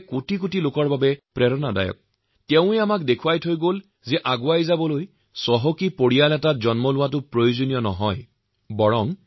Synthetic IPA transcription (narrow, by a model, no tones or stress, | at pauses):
kutik̬utilokɔɹbabɛpɹɛɹɔnada̰jɔ̰k̚ | tɛʊ̃ɛamak̚dekʰuwajtʰojɡol | zɛʔaɡʊajzabɔloj | sɔɦɔkipoɹijalɛtazɔnmɔlʊwatʊpɹɔjozonijɔnɔɦɔj | bɔɹɔm